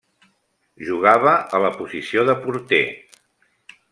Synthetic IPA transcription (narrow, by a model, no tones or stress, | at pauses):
ʒuɣ̞aβ̞əələpuzisioðəpuɾt̪ḛ